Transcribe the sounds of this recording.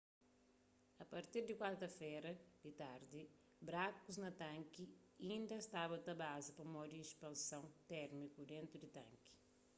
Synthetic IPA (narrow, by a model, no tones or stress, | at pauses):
ɐpɐɾt̪iɾd̪ikwaɾt̪ɐfɛjɾɐd̪it̪aɾd̪i | bɾakuznɐt̪ɐ̃ŋki | ĩnd̪ɐʃt̪abɐt̪ɐbazipɐmɔd̪iːʃpɐ̃nsɐ̃w̃t̪ɛɾmikud̪ẽnt̪ɾud̪it̪ɐ̰̃ŋki̥